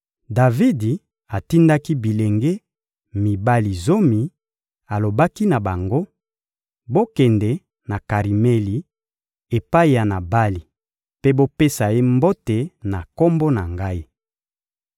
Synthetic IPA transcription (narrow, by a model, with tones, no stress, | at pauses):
da˨vi˦di˨ | a˨ti˦nda˦ki˦bi˨le˨ŋɡe˦ | mi˨ba˦li˨zo˦mi˨ | a˨lo˨ba˦ki˦na˨ba˨ŋɡo˦ | bo˦kɛ˨ndɛ˨ | na˨ka˨ʁi˨mɛ˦li˨ | e˨pa˦i˨ja˨na˨ba˦li˨ | pe˦bo˦pe˦sa˨e˦mbo˦te˨na˨ko˦mbo˦na˨ŋɡa˦i˦